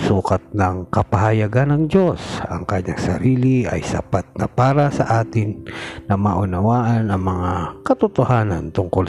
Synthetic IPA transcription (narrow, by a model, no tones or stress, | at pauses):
suːkɐt̪̚nɐŋkɐpɐhɐjaɡanɐŋd͡ʒo̞sɐ̰ŋkaɲaŋsɐ̰ɾiːlɪʔɐ̰jsɐ̰pat̪̚nɐpaːɾɐsɐʔaːt̪ɪnnɐmaːʔʊnɐwaːʔɐnɐŋmɐŋakɐt̪ʊt̪ohaːnɐnt̪ʊŋkʊl